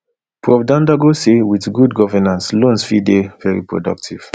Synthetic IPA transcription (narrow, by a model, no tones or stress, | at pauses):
pʰɹɔvdãndaɡosewiðɡudɡɔvɛnãnslõnsfidevɛɹipʰɹɔ̰dʌ̰k̚tʰiv̥